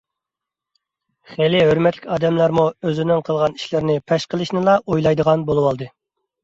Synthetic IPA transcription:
χelɪɦøɾmɛt̪ʰlɪkʲɑːd̪ɛmlˠɑɾmuøzɪnɪŋqʰəlˠʁɑni̥ʃlɪɾnɪpʰɛʃqəlˠɨʃnɪlˠɑʔojlˠɑjd̪əʁɑnbolˠuwɑlˠd̪ɨ

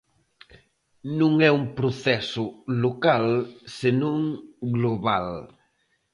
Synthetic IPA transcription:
nũŋɛũŋpɾoθɛsʊlokalsenõŋɡloβa̰l

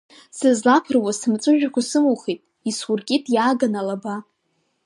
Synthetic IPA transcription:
sɨzlapʰɨrwasɨmt͡sʷʼɨʒᶣakʷasɨmuχitʼ | iswʊrɡʲʼitʼjaːɡanalaba

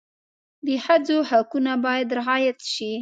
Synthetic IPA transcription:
d̪əhad͡zohakunabɑjad̪ɾɪɑjat̪ʃi

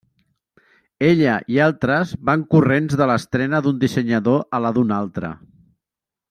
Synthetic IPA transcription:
eʎəʔialˠt̪ɾəzβaŋkurenzðələst̪ɾɛnəðund̪isəɲəðoʔələðunalˠt̪ɾə̰

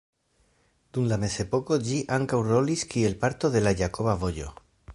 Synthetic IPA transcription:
d̪̥unlame̞se̞po̞ko̞ʎiʔaŋkawro̞liskie̞lpaɾt̪o̞ðe̞laʝako̞βavo̞ʎo̞̰

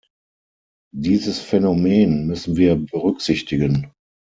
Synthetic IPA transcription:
diːzəsfɛnomeːnmʏsn̩viːɐbəʁʏkz̥ɪçtɪɡən

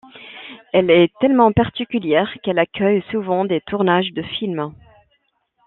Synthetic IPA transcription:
ɛlɛt̪ɛlmɑ̃paʁt̪ikʲyljɛːʁkɛlakʲʰœjsuvɑ̃d̪et̪ʰuʁnaʒd̪əfilm

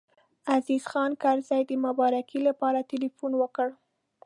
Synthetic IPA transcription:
azizxɑnkaɾzɑjd̪əmʊbɑɾakilapɑɾat̪ilifunwəkəɽ

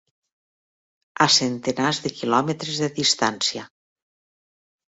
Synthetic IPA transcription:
asent̪enazðekilɔmet̪ɾezðeðist̪ansia

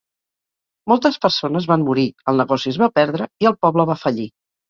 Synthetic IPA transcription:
mɔlˠt̪əspəɾsonəzβanːuɾiəlˠnəɣɔsiəzβapɛɾðɾəiəlˠpɔβləβ̞afəʎi

